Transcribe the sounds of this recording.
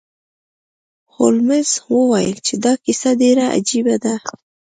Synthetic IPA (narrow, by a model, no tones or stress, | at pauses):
holmɪz̥wəwajə̰lt͡ʃed̪ɑkisaɖeɾaʔa̰d͡ʒibad̪a